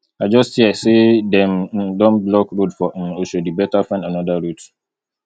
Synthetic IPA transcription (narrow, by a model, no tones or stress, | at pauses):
aɪd͡ʒɔsthisedɛmdɔ̃nblɔkɹodfɔʔmoʃud̚bibɛtafãnanɔdaɹut